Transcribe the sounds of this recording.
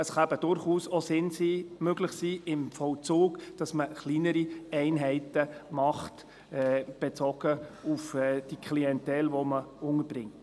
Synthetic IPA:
əsχɑbəd̥ʊɾχuːsɔsɪnsiːmøɡlɪχsiːɪmfɔwt͡suːɡd̥ɑsməχliːnəɾiɛɪnɦɛɪtəmɑχt | ɛb̥et͡sɔɡ̥əufɛːd̥ikʰliɛntɛlʋɔməʊŋəb̥ɾɪŋt

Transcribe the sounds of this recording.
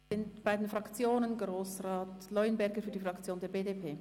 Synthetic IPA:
ɪntb̥aɪdenfʁ̥ɑkt͡sjoːnənɡʁoːsʁaːtlɔʏənbɛɾɡəfyːɐdifʁ̥ɑkt͡sjoːndeːɐbeːdepʰeː

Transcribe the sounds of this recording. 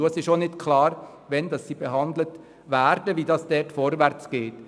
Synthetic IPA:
uəsɪʃonɪtkʰlɑːɾ | ʋɛndɑsːiːbeɦɑnd̪lət | væɾdəʋiːdɑːsd̥ɛːtfɔɾʋæɾt͡sɡ̥eːt

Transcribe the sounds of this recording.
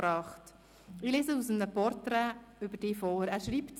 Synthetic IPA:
ɾɑːχt | ɪleːzəusəmnəpɔɾtɾɛʏbəɾd̥ɪːfoːɾæːɾʃɾiːpt

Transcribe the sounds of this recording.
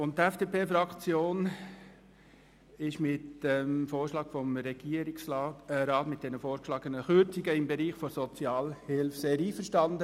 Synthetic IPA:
ʊnttɛfd̥eːpʰeːfɾɑkt͡sjoːn | ɪʃmɪtəmfoːɾʃlɑːɡ̥fɔmɾɛɡ̥iːəɾiksɾɑːtmɪt̚d̥ɛnəfoːɾkʃlɑːɡənəχʏɾt͡siɡəɪmbɛɾiːχfɔɾsɔt͡sjɑːlhɪlfseːɾiːfəɾʃtɑnd̪ə

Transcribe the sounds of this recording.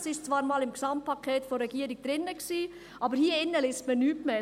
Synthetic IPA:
sɪʃt͡svɑːɾmɑːlɪmksɑmt̚pʰɑkʰeːtfɔɾɛɡ̥iːəɾiɡ̥̚d̥ɾɪnːəksiː | ʔɑːbəɾhiːəɪnːəlɪstmənyːtmeː

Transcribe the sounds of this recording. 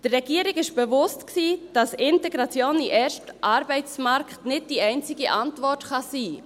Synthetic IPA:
d̥ərːɛɡiəɾɪɡɪʃb̥ɛvʊstksiːd̥ɑsɪntɛɡɾɑt͡sjoːniʔɛːɾʃtʔɑɾbɛɪt͡smɑɾkχtnɪd̚d̥iɛɪnt͡sɪɡiʔɑntvɔtχɑsiː

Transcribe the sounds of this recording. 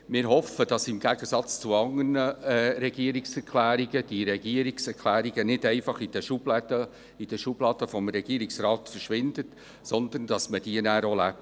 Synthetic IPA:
mɪːɾɦɔfəd̥ɑsɪmɡ̥æɡ̥əsɑt͡st͡suɑŋənəɾɛɡ̥iəɾiksɛɾkʰlæːɾiɡəd̥iɾɛɡ̥iəɾiksɛɾkʰlæːɾiɡənɪdɛɪfɑχid̥əʃublɛdə | id̥əʃub̥lɑːd̥̪əfɔmɾɛɡ̥iːɾiksrɑːt̪fərʃʋɪnd̥̪ət | sɔnd̪ənd̥ɑsməd̥iənæːɾolæp̚t

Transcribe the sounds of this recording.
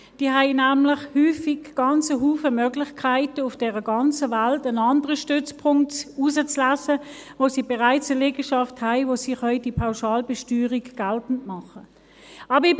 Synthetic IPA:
d̥iːɦæɪnæːmlɪχhyːfiɡɡ̥ɑnt͡səɦuːfəmøːɡlɪχkʰaɪtəʊfd̥ɛːʁəɡɑnt͡səvaltənɑndəʁəʃtʏt͡spʰʊŋk̚tuːsət͡slaːsə | voːsiːbɛʁaɪt͡səlɛɡəʃɑfthæɪvoːsiχhœʏd̥ipʰaʊʃɑːlbɛʃtyːʁikɡ̥altn̩tmɑχə | ʔɑːbi

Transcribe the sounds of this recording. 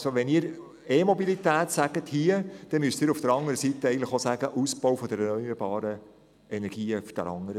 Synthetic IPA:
soʋɛniːɾ | eːmɔbilit̪æːt̪sæɡ̥əthiəd̥ɛmyəstiːɾufd̥əɾɑŋəɾəsit̪əɛɡəntlɪ̥χosæɡəʔusb̥ɔwfɔd̪əɾɛnœʏəɾbɑːɾə | ɛnɛɾɡ̥iːfd̥ɛ̰ɾɑ̰ŋəɾə

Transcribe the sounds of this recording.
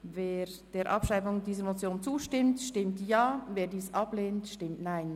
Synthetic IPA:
veːɾd̥eːɾʔɑpʃʁ̥aɪfʊŋdiːzəɾmot͡sjoːnt͡suːʃtɪmtʃtɪmtjaːveːɾdiːsʔɑbleːntʃtɪmtnaɪn

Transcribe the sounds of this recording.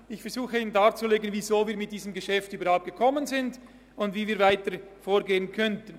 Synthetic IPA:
ɪçfɛɐzuːxəiːnəndaːt͡suleːɡənvizoːviːɐmɪt̚d̥iːzəmɡəʃɛftyːbəɐɾhaʊp̚t̚ɡ̥əkʰɔmənzɪnd | ʊndviːviːɐvaɪtəfoːɡeːənkʰœntən̩

